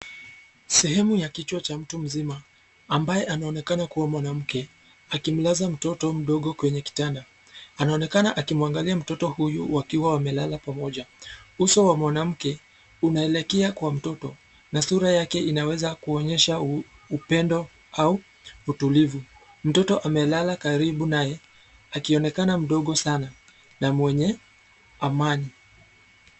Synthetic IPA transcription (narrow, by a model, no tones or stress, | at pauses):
sɛɦɛmujakit͡ʃwat͡ʃam̩tum̩zimaː | mbajɛʔanaɔnɛkanakuwamwanam̩kɛ | akim̩lazam̩tɔtɔm̩ɗɔɠɔkwɛɲɛki̥tanda | anaɔnɛkanaʔakimuaŋɡaliam̩tɔtɔhujuwakiwawamɛlalapamɔʄausɔwamwanam̩kɛ | unaɛlɛkɛakwam̩tɔtɔ | nasuɾajakɛinawɛzakuɔɲɛʃa | upɛndɔ | auː | tulivu | m̩tɔtɔʔamɛlalakaɾiɓunajɛ | akiɔnɛkanam̩ɗɔɠɔsana | namwɛɲɛ | amani